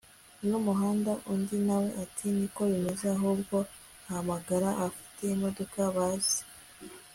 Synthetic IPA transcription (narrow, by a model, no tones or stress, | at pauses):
numuɦaːndaʔundinawe̞ʔatʰiniko̞βimezeaɦubɡo̞ | ahamaɡaɾaafi̥te̞imo̞do̞kaβaːzi̥